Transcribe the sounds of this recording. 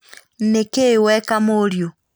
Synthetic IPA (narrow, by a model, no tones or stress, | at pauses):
nekewɛkamoɾjo